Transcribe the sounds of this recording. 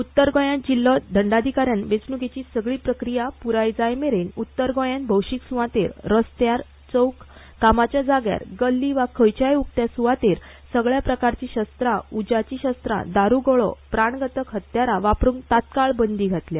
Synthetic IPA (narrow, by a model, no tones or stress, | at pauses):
ut̪ːəɾɡɔ̃jãnd͡ʑilːɔd̪ʱəɳɖad̪ʱikaɾjãnʋet͡snuɡet͡ɕisəɡɭiːpɾəkɾijapuɾajd͡zajmeɾenut̪ːəɾɡɔ̃jãnbʱəwɕiksuʋãt̪eɾɾəst̪jaɾ | t͡səwkː | amat͡ɕjad͡zaɡja̰ɾɡəlːiʋakʰəjt͡ɕajuk̚t̪jasuʋat̪eɾ | səɡɭjapɾəkaɾt͡ɕiɕəst̪ɾaud͡ʑat͡ɕiɕəst̪ɾa̰d̪aɾuɡɔɭɔ̰pɾaɳɡʱət̪əkɦət̪jaɾaʋapɾuːŋt̪at̪kaɭbənd̪iɡʱat̪lja